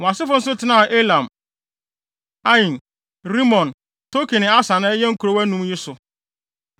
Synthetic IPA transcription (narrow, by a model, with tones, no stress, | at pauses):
ã˨sɪ˦fʊ˦n̩˦s̬ʊ˦tʰɪ˨˦nã˦˨ʔe˦lã˨m | a˦jĩ˨n | ɾi˦mɔ̃˨n | tʰo˦kʰi˨nɪ̃˨a˦sa˨nã˦jɛ˦ŋ̩˦kʰu˨ɾo˦wæ˦nũ˦m˦ji˦sʊ˨